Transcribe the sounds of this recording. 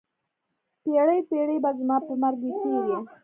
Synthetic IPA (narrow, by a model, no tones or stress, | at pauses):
peɽəjpeɽebazmɑpəmaɾɡekiɡi